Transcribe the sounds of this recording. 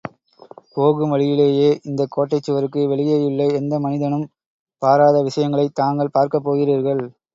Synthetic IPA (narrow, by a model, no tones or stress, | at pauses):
poːɣɯmʋɐɻɪjɪleːjeːʔɪnd̪ɐkːoːʈːɐɪt͡ʃːɯʋɐɾɯkːɯʋɛɭɪjeːjɯɭːɐɛnd̪ɐmɐnɪðɐnɯm | paːɾaːðɐʋɪʂɐjɐŋɡɐɭɐɪt̪aːŋɡɐɭpaːɾkɐpːoːɣɪɾiːɾɣɐɭ